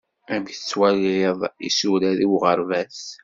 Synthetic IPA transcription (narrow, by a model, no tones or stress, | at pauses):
æbjθət͡sːwælðˤḭsulæðiwʁəɾˤvæθ